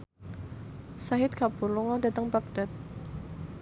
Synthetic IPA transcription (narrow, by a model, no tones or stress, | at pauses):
saɦɪt̪̚kapurlʊŋɔdat̪əŋbak̚d̥at̪̚